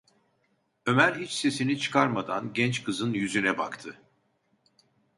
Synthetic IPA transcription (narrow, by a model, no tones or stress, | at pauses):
ø̞mæɾʲhit͡ʃse̞sinit͡ʃʰɯ̥kʰaɾmad̪a̰nɟɛnt͡ʃkʰɯzɯnjyzynɛba̰kt̪ʰɯ